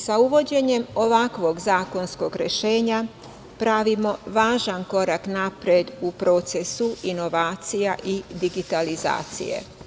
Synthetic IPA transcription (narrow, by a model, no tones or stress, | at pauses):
sauʋo̞d͡ʑe̞ɲe̞mo̞ʋakʋo̞ɡzaːko̞nsko̞ɡɾḛʃe̞ːɲa | pɾaʋimo̞ʋaːʒanko̞ɾaknapɾjed̪upɾo̞ːt̪se̞suino̞ʋaːt̪sijaʔid̪iɡit̪aliza̰ːt̪sḭjḛ